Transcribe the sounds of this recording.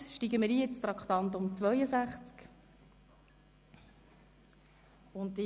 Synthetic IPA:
ʃtiɡəmɪɾiːɪt͡st̪ɾɑkχt̪ɑnt̪ʊmt͡svœjəsæχt͡sk | ʊntːi

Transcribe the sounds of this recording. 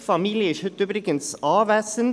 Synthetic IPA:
fɑmiːlɪiːçœt̪ːʉbɾɪkənsɑːʋæːsən

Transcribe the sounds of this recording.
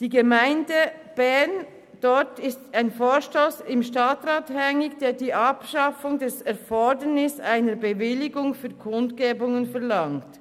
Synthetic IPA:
d̥iːɡəmaɪndəb̥ɛɐn | d̥ɔtɪstaɪnfoːʃtoːsɪmʃtaːtʁaːthɛŋɪɡd̥eːɐdiːʔɑpʃɑfʊŋdɛsɛɐfɔdənɪsaɪnəbəvɪlɪɡʊŋfyːɐkʰʊntɡeːbʊŋənfɛɐlɑŋt

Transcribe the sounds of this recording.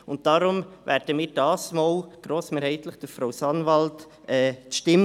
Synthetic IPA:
ʊnt̚d̥ɑɾʊmvæ̰ːɾd̥əmiːɾdɑːsmoːlɡ̥ɾoːsmeːɾhɛɪtlɪχd̥əɾfɾoʊsɑnvɑlt | ɛːʃtɪm

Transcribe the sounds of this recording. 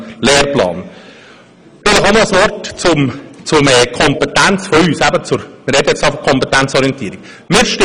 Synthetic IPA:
lɛːɾplɑ̰ːn | dɪləχɑnoəsʋɔrtt͡sʊmt͡sʊmɛkʰɔmpɛtænt͡sfɔyːsæbət͡sʊɾmɪɾɛdəjɛt͡sɑfɔkʰɔmpɛt̪ænt͡sɔɾiɛnt̪iəɾiɡ̥ | mɪːɾʃtɪ

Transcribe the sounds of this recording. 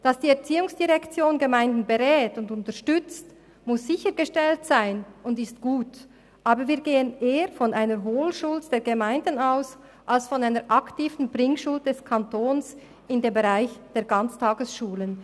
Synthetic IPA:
d̥ɑsd̥iːɛɐt͡siːʊŋsd̥iʁɛkt͡sjoːnɡəmaɪndn̩beʁɛːtʊndʊntəʃtʏt͡st | mʊsz̥ɪçəɾɡəʃtɛltsaɪnʔʊndɪstɡ̥uːt | ʔaːbəviːɐɡeːənʔeːəfɔnʔaɪnəɾɦoːlʃʊld̥eːɡəmaɪndn̩aʊs | ʔalsfɔnaɪnəɹʔɑktiːvn̩bʁɪŋʃʊlt̚d̥ɛskʰɑntoːns | ɪndeːmbeʁaɪçd̥eːɐɡɑnt͡stʰaːɡəsʃuːlən

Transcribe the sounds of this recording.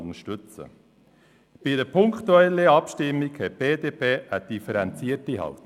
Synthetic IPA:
nəʃtʏt͡sə̰ | b̥ɪdəpʰʊŋkχt̪uɛlːəɑpʃtɪmːikhɛt̚b̥eːdeːpʰeːʔəd̥ifəɾɛnt͡siətiɦɑ̰lt

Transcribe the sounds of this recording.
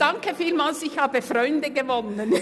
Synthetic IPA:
d̥aŋkəfiːlmaːlsɪçhaːbəfʁɔʏndəɡəvɔnən

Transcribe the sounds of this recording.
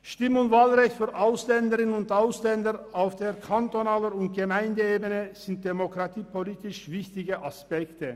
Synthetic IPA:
ʃtɪməʊntvaːlʁɛçtfyːɐʔaʊslɛndəʁɪnənʊntaʊslɛndəʁaʊfd̥eːɐkʰantonaːləɾʊnt̚ɡ̥əmaɪndəeːbənəz̥ɪnt̚d̥emokʁ̥atiːpʰoliːtɪʃv̥ɪçtɪɡəʔaspɛktə

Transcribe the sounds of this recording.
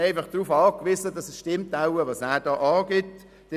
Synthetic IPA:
ɛɪfɑχd̥ruːfɑːkʋɪzədɑsɛsʃtɪmtaʊəvɑsæːɾd̥ɑːʔɑːɡɪt | d̥ɛ

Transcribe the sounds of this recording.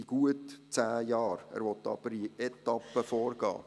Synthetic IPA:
iɡ̥uətt͡sæːjɑːɾæ̰ːɾʋɔt̪ːɑ̰b̥əɾiɛt̪ɑpːəfɔːrɡɑ̰ː

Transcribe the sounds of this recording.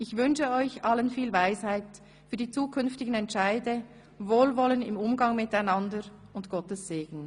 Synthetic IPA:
ʔɪçvʏnʃəɔʏçʔɑlənfiːlvaɪshaɪt | fyːɐdiːt͡suːkʰʏnftɪɡən̩ɛntʃaɪdə | voːlvɔlənɪmʊmɡɑŋmɪtaɪnɑndəɾʊntɡ̥ɔtəsːeːɡ̥n̩

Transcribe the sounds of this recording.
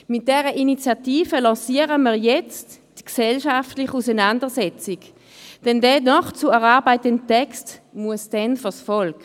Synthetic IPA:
mɪt̚d̥ɛːʁəʔinit͡sjatiːfəlɔ̃ːsiːəʁəmiːɐʁjɛt͡st | d̥ksɛlʃaftlɪχusɛnandəsɛt͡sik | d̥ɛndɛnɔχt͡suɛʁaɐbaɪtəntːɛkstmuəsd̥ɛnfəsfɔlk

